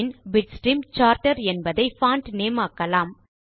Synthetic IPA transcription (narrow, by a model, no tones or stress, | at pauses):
ɪnbɪʈsʈɾiːmt͡ʃaːɾʈɐɾɛnbɐðɐɪfaːɳʈneːmaːkːɐlaːm